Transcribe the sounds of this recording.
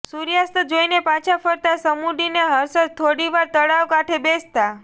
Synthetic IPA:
suɾjast̪əd͡ʒoinepãt͡ʃʰafəɾt̪asəmuɖineɦəɾsət̪ʰoɽiʋaɾt̪əɽaʋkaʈʰebest̪a

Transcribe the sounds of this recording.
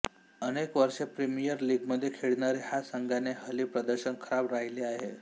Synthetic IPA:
ənekʋəɾʂepɾimijəɾliːɡməd̪ʱːjekʰeɭnaɾihasəŋɡaneɦəlipɾəd̪əɾɕənkʰəɾabɾaɦileaɦe

